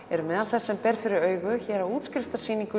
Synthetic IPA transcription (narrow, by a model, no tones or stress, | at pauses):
ɛɾʏmɛːðalθɛsːɛmpɛɾfɪɾɪɾœːɥɣʏçɛːɾauːt̪skɾɪft̪aɾ̥siːniŋkʏ